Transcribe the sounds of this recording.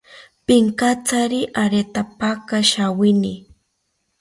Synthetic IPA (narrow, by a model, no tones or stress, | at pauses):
pɪŋkat͡saɾiʔaɾet̪apakaʃawɪni